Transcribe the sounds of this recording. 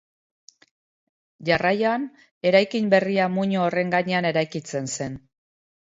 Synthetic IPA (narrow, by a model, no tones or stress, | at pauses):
ʝarajoan | e̞ɾajkimbe̞riamuɲoːre̞ŋɡaɲe̞ane̞ɾajkit͡se̞nse̞n